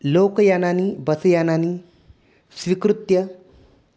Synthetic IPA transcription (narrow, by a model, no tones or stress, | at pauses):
loːkjananibəsjanani | sʋikɾut̪jə